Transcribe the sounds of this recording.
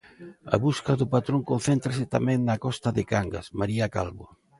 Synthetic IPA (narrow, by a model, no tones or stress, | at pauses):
ɐ̰βuskaðʊpat̪ɾoŋkon̟θent̪ɾasɪt̪a̰mɛ̃ŋnakɔst̪aðɪkaŋɡa̰smaɾiaka̰lβo